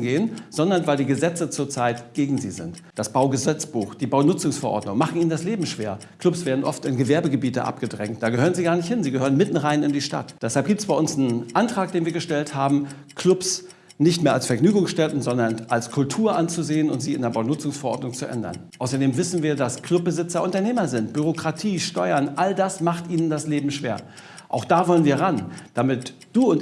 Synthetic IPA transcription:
ɡeːənz̥ɔndɐnvaɪldiːɡəzɛt͡sət͡suːɐt͡saɪtɡ̥eːɡŋ̩zḭːzɪ̰ntd̥asb̥aʊɡəzɛt͡sb̥uːxd̥iːbaʊnʊt͡sʊŋsfɛɐʔɔ̰ɐdnʊŋmaχn̩iːnəndasleːbm̩ʃv̥ḛːɐkʰl̥ʊpsv̥eːɐdn̩ʔɔ̰ftɪnɡəvɛɐbəɡəbiːtə̰ʔa̰pɡ̥ədʁɛŋt̚d̥aːɡəhøːʁənziːɡaɐnɪçthɪnziːɡəhøːʁ̞ənmɪtn̩ʁaɪnɪndiːʃta̰td̥ɛshalp̚ɡ̥iːptsb̥aɪʊnsnʔantʁ̥aːk̚d̥eːnviːɐɡəʃtɛlthaːbm̩ | kʰl̥ʊps | nɪçtmeːɐalsfɛɐɡnyːɡʊŋsʃtɛtn̩zɔndɐnʔalskʰʊltʰuːɐʔant͡suzeːənʊ̰ntz̥iːɪndeːɐbaʊtnʊt͡sʊŋsfɛɐʔɔɐdnʊŋt͡suʔɛ̰ndɐ̰nʔaʊsɐdeːmvɪsn̩viːɐdaskʰl̥ʊp̚bəzɪt͡sɐʔʊntɐneːmɐzɪntb̥yʁ̞okʁ̥atʰiːʃtɔʏɐnʔaldasmaχtʔiːnəndasleːbm̩ʃv̥eːɐ | ʔa̰ʊxd̥aːvɔlənviːɐʁand̥amɪtd̥uːʊnt

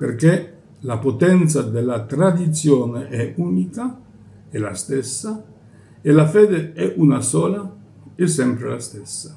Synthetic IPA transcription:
pḛrke | lapot̪ɛnt̪sad̪elːat̪ɾad̪it̪sjoːneʔɛuːnika | ela̰st̪esːa | elafeːd̪eɛʔunasɔːla | ɛsɛmpɾḛlast̪ɛsːḁ

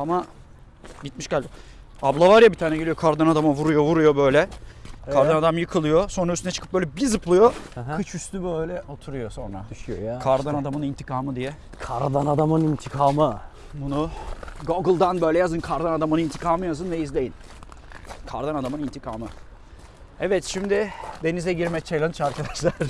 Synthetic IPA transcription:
ama | ɟit̪miʃɟælʲb̪i | ablˠavaɾjabit̪ʰaːnɛɟeijo̞kʰaɾd̪anad̪amavuɾujo̞vuɾujo̞bø̞jlʲɛkʰaɾd̪anad̪amjɯkʰɯlˠɯjoso̞nɾayst̪ynɛt͡ʃʰɯ̥kʰɯpbølʲɛbizɯplˠujo̞kʰɯt͡ʃʰyst̪ybøjlʲɛʔo̞t̪ʰuɾujo̞so̞nɾa̰d̪ʃjojkʰaɾd̪anad̪amɯnint̪ʰikʰaːmɯd̪ijɛ | kʰaɾd̪anad̪amɯnint̪ʰikʰaːmɯ | bunuɡoɡɯlˠd̪anbø̞jlʲɛjazɯnkʰaɾd̪anad̪amɯnint̪ʰikʰaːmɯjazɯnvɛizlʲe̞jin | kʰaɾd̪anad̪amɯnint̪ʰikʰaːmɯ | ɛvɛt̪ʃimd̪ɪd̪e̞nizɛɟiɾmɛt͡ʃʰajlˠant͡ʃaɾkʰad̪aʃlˠaɾ̥

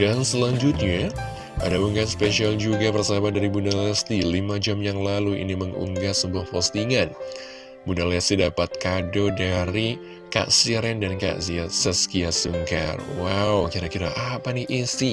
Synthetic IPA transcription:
dansəlaɲd͡ʒut̪̚ɲa | a̰dauŋɡaspeʃiald͡ʒuɡabərsabadaɾibundalɛst̪ilimad͡ʒamjaŋlaluḭniməŋṵŋɡasəbuahpɔst̪iŋan | bundalɛst̪idapat̪̚kadodaɾi | ka̰ʔsiɾɛndanka̰ʔsiasəsə̥kiasuŋka̰rwawkiɾakiɾaʔapaniʔisi

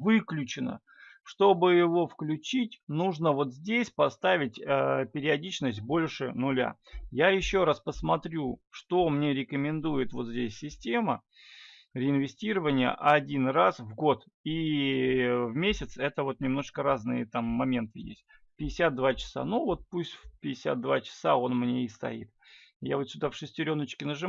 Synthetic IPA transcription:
vɨklʲʉt͡ɕɪnə̰ | ʂt̪o̞bɨjɪvo̞fklʲʉt͡ɕitʲnuʐnəvo̞t̪zʲdʲesʲpɐst̪avʲɪt̚ʲəpʲɪɾʲɪɐdʲit͡ɕnəsʲt̚ʲbo̞lʲʂɨnʊlʲa̰jajɪɕːo̞ɾaspəsmɐt̪ɾʲuʂt̪o̞mnʲe̞ɾʲɪkəmʲɪnd̪ujɪt̪vo̞t̪zʲdʲesʲːɪsʲtʲe̞mə | ɾʲɪɪnvʲɪsʲtʲiɾəvənʲɪjə̰ʔɐdʲinrasvɡo̞t̪ | i | vmʲesʲɪt̪sɛt̪əvo̞t̪nʲɪmno̞ʂkəɾaznɨ̰jət̪amːɐmʲe̞nt̪ɨjḛsʲt̚ʲ | fʲpʲɪdʲɪsʲat̪̚d̪vat͡ɕɪ̥sa̰nuvo̞t̪̚pusʲtʲfʲpʲɪdʲɪsʲa̰t̪̚d̪vat͡ɕɪ̥sao̞nmnʲeɪst̪ɐ̰ḭt̪̚ja̰vot̪sʲʊd̪afʂɨsʲtʲɪɾʲo̞nːət͡ɕkʲɪnəʐɨ

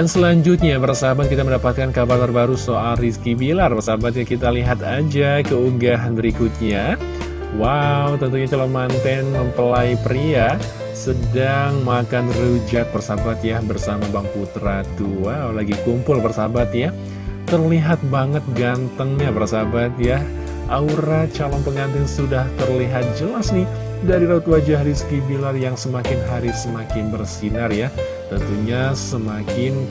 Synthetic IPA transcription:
dansəlaɲd͡ʒʊt̪̚ɲabərsabat̪kit̪aməndapat̪̚kankabart̪ərbaɾusoʔalriskibilarpərsabat̪̚ɲakit̪aliɦat̪ad͡ʒakəuɡaɦanbəɾikut̪̚ɲa | wawt̪ənt̪uɲat͡ʃalomant̪ɛnməmpəlaipəɾia | sədaŋmakanrud͡ʒat̪̚bərsabat̪jabərsamabaŋput̪ɾat̪ualaɡikumpʊlpərsabat̪ja | t̪ərliɦat̪̚baŋət̪̚ɡant̪əŋɲabərsabat̪ja | ʔauɾat͡ʃalɔŋpəŋant̪ɪŋsudaht̪ərliɦat̪̚d͡ʒəlasni | daɾiɾaut̪wad͡ʒaɦɾisə̥kibilarjaŋsəmakɪnɦaɾisəmakɪnbərsinarja | t̪ənt̪uɲasəmakɪn

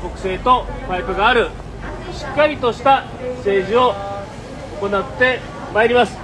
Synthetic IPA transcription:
ko̞kɯ̟̥se̞ːt̪o̞paipɯ̟ɡaːɾɯ̟ | ɕi̥kːaɾʲit̪o̞ɕi̥t̪a | se̞ːʑio̞ | oko̞nat̪ːe̞ | maeɾʲimasɨ̥

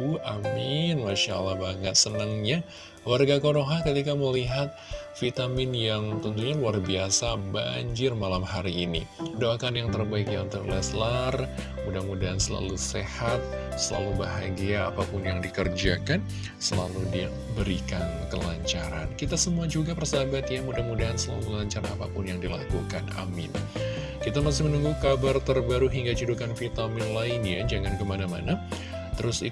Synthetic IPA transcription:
uʔamɪnmaʃaalːahbaŋət̪̚sənəŋɲa | warɡakoɾoɦakət̪ikaməliɦat̪̚fit̪amɪnjaŋt̪ənt̪uɲaluarbiasaba̰ɲd͡ʒɪrmalamhaɾiːnḭdoakanjaŋt̪ərbaɪkjaunt̪ʊklɛslar | mudamudaɦansəla̰lusehat̪̚ | səla̰lubaɦaɡia̰ːpapʊnjaŋdikərd͡ʒakan | səlaludi | bəɾikankə̰laɲt͡ʃaɾa̰nkit̪asəmuad͡ʒuɡapərsabat̪jamudahmudaɦansəlalulaɲt͡ʃarapa̰pʊnjaŋdila̰kukana̰mɪ̰n | kit̪amas̬ɪhmənuŋɡuhkabart̪ərbaɾuɦiŋɡat͡ʃudukanfit̪amɪnlainjad͡ʒaŋankəmanama̰na | t̪əɾʊsi

